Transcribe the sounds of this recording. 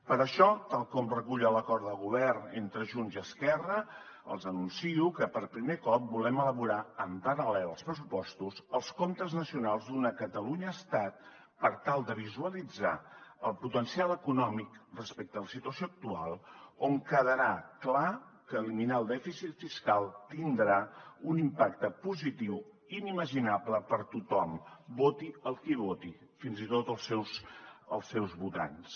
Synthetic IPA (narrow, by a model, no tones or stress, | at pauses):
pəɾəʃɔt̪alˠkɔmrəkuʎələkɔɾt̪əlˠɣuβ̞ɛrnent̪ɾəʒunziəskɛrə | ə̰lˠzənunsiukəpəɾpɾimekɔp̚bulɛmələβuɾaəmpəɾəlɛlˠəlˠspɾəsupɔst̪uzəlˠskont̪əznəsiunalˠzd̪unəkət̪əluɲəːst̪at̪̚ | pəɾt̪alˠd̪əβ̞izuəlid͡za̰əlˠput̪ənsialəkunɔmikrəspɛk̚t̪ələsit̪uəsjoək̚t̪ua̰lˠoŋkəðəɾaklakəliminalˠd̪ɛfisit̪fiskalˠt̪ind̪ɾaunimpakt̪əpuzit̪iw | iniməʒinapləpəɾt̪ut̪ɔmbot̪iəlˠkiβ̞ot̪i | finzit̪ot̪əlˠsɛwsəlˠsːɛwzβut̪a̰ns